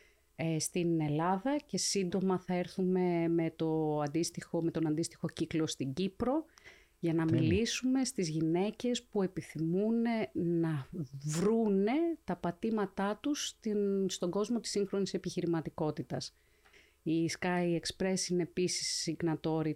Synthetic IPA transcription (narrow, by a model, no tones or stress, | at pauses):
est̪ine̞lɐðɐce̞sind̪o̞mɐθɐeɾθume̞me̞t̪o̞ɐnd̪ist̪ixome̞t̪o̞nɐnd̪ist̪ixo̞ciklo̞st̪iɟipɾo̞ | ʝɐnɐmilisume̞st̪izʝine̞ce̞spue̞piθimune̞nɐvɾune̞t̪ɐpɐt̪imɐt̪ɐt̪ust̪inst̪o̞ɡo̞zmo̞t̪i̥sːiŋxɾo̞nise̞piçiɾimɐt̪iko̞t̪it̪ɐs | iskɐjekspɾe̞sinepisi̥sːiŋɡnɐt̪o̞ɾi